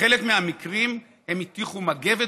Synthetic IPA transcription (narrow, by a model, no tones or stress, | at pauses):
elekmeamikʁim | he̞mit̪iχumaɡeve